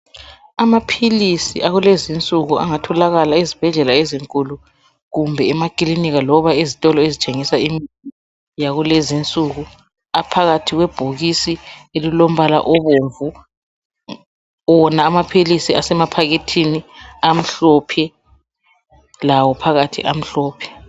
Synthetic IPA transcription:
amapʰilisḭʔaɣulezint͡sʼuɣua̰ŋatʰɔlaɣalaizib̥ʱɛɮɛlaeziŋkʼulu | ɣumbʱɛɛmakʼiliniɣalɔβaizitʼɔlɔezit͡ʃʼeŋisaimiti | jaɣulezint͡sʼuɣu | apʰaɣatʰiɣwɛb̥ʱoɣisielilom̩βala̰ʔɔβoɱvu | wɔnaːmapʰilisiasɛmapʰaɣitʰiniam̩ɬɔpʰɛ | lawɔpʰaɣatʰḭʔam̩ɬɔːpʰɛ̥

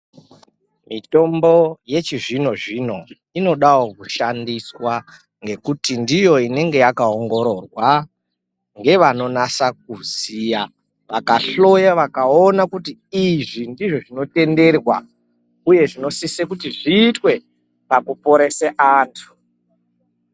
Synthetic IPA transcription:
mito̞mbo̞je̞t͡ʃiʐino̞ʐino̞ | ino̞ɗawokuʃandiswa | ŋɡe̞kutindijo̞ine̞ŋɡe̞jakaoŋɡo̞ɾo̞rwa | ŋɡe̞ʋano̞nasak̚uzija | ʋakaɬo̞jaʋakaonakutiiʐindiʐoʐino̞te̞nde̞rwa̰ | uje̞ʐino̞sisekutiʐiːtwe̞ | pakupo̞ɾe̞seʔaːntʰu̥

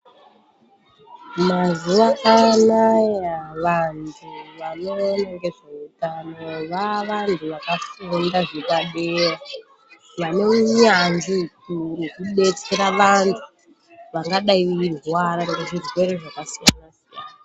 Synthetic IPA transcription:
mazuʋaʔanajaʋantʰuʋano̞ːnekeʐautano̞ʋaʋantʰuʋakafondaʐekaɗera | mane̞uɲanzikurikuɓe̞t͡se̞ɾaʋantʰu | ʋaŋɡaɗaiirwaɾakatiʐirwe̞ɾe̞ʐakasijanasijanaa

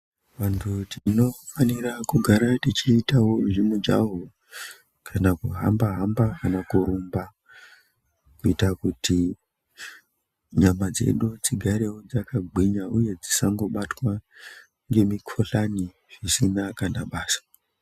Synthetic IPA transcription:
ʋantʰutino̞faniɾakuɡʱaɾatit͡ʃiːtawo̞ʐimud͡ʒa̰ɦo | kʰanakuɦa̰mbaɦambakanakuɾumba | kuitakutʰi | ɲamad͡ze̞̰ɗut͡siɡʱaɾewod͡zakaɡ͡bʱiɲauje̞d͡zisaŋɡo̞ɓatwa | ŋɡe̞mikʰoɬani | ʐisinakanaɓaːsḁ

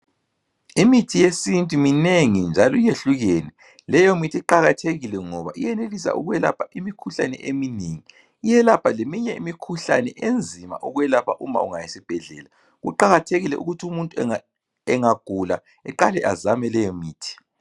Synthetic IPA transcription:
imitʰijesintʼumineŋind͡ʒʱalɔijeɬuɣeːnɛ | lɛjomitʰiǃaɣatʰeɣilɛŋɔβa̰ʔijɛnelisa̰ʔṵɣwɛla̰pʰaʔimikʰuɬa̰nɛ̰ʔemineŋiː | jɛlapʰalemiɲɛimikʰuɬa̰nɛʔend͡zʱima̰ʔuɣwɛlapʰaʔuma̰uŋajisib̥ʱɛɮɛ̰ːla | ɣṵǃaɣatʰeɣilɛʔṵɣutʰiumuntʼuɛ | ɛŋaɡ̥ʱula̰ | ɛǃalɛ̰ʔa̰zamɛlɛjɔmiːtʰi̥

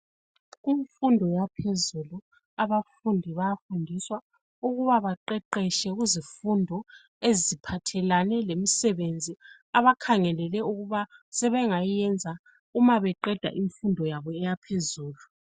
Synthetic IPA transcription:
ɣiɱfundʱɔjapʰezulu | aβafundʱiβajafundʱiswa | uɣuβaβaǃɛǃɛʃɛɣuzifundʱɔ | ezipʰatʰɛlanɛlemisɛβend͡zʱi | aβakʰaŋɛlɛlɛuɣuβasɛβɛŋajiɛnd͡zʱa | umaβɛǃɛd̥ʱa̰ʔiɱfundʱɔjaβɔɛjapʰezuːlu

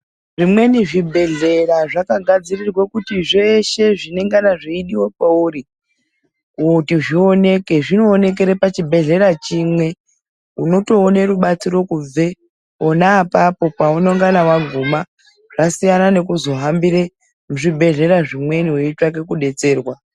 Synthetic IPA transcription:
ʐimwe̞niʐibʱe̞ɮe̞raʐakaɡʱad͡zirirwakutiʐe̞ʃe̞ʐine̞ŋɡanaʐiiɗiwopauri | kutiʐio̞ne̞ke̞ʐino̞ːne̞k̬e̞ɾe̞pat͡ʃibʱe̞ɮe̞ɾat͡ʃimwe̞ | uno̞to̞ːneruɓat͡siro̞kub͡ve | onaːpapo̞paunoŋɡanawaɡʱuma | ʐ̥asijanane̞kuzo̞ɦambire | muʐibʱe̞ɮe̞ɾaʐimwe̞niuit͡ʃak̬e̞kuɗe̞t͡se̞ːrwa

